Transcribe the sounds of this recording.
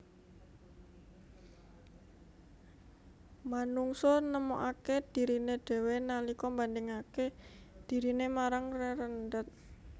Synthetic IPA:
manuŋsɔnəmɔʔaked̪̥i̤ɾineɖ̪̥ɛ̤wenalikɔmbandɪŋaked̪̥i̤ɾinemaɾaŋreɾənd̪ət̪̚

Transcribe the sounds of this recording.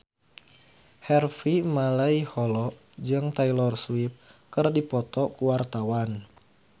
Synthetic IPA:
hɛrfimalaihɔlɔʔ | d͡ʒɨŋt̪ailɔrswip̚kərdipɔt̪ɔkuwart̪awan

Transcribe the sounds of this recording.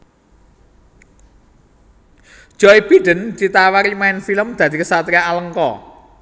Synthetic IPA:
d̥ʒ̥ɔib̥i̤ɖ̪̥ə̤nd̪̥i̤t̪awaɾimaɪnfiləmd̪̥a̤d̪̥ikəsat̪ɾaaləŋkɔ̰

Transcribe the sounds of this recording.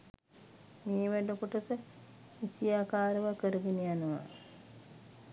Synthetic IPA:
meːʋæɖəkuʈəsə | isijaːkaːɾəʋakəɾəɡenijanuʋa̰

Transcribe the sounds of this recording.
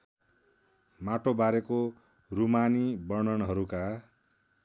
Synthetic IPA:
maʈobaɾeko | rumanibʌrnʌnɦʌɾuka

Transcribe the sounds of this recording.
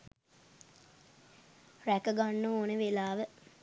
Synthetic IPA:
rækəɡanːooːnəʋelaːʋə

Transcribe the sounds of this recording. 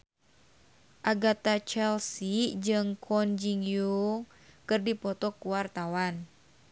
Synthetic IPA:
ʔaɡat̪at͡ʃɛlsid͡ʒɨŋkʰɔnd͡ʒiŋju | kɨrdipɔt̪ɔkuwart̪awan

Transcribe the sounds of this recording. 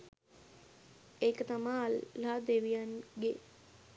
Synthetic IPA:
eːkət̪amalːaːd̪eʋijanɡe

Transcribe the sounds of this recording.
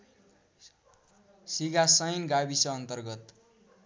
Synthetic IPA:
siɡasʌjnɡabisʌːnt̪ʌrɡʌt̪

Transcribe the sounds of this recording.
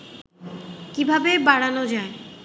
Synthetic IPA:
kibʱabebaɽanod͡ʑae

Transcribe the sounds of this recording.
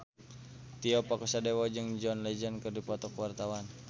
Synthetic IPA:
t̪iɔpakɔsadɛwɔd͡ʒɨŋd͡ʒɔnlɛd͡ʒənkɨrdipɔt̪ɔkwart̪awan

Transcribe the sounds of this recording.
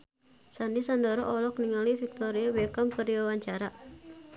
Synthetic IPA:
sanisandɔɾɔʔɔlɔkniŋalifik̚t̪ɔɾiawɛkampəɾiwawaɲt͡ʃaɾa

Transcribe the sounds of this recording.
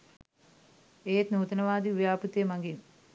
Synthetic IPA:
eːt̪nuːt̪ɐnɐʋaːd̪iʋjaːput̪ːjemɐŋɡin

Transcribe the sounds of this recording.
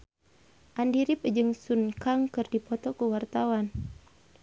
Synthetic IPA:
ʔandiɾip̚d͡ʒɨŋsunkaŋkɨrdipɔt̪ɔkuwart̪awan

